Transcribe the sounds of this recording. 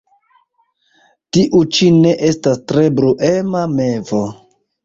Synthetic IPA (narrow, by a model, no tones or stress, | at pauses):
tiʔut͡ʃine̞ʔe̞stastɾe̞bɾuʔemame̞vo